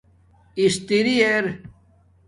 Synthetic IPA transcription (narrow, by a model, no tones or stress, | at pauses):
ist̪iɾieɾ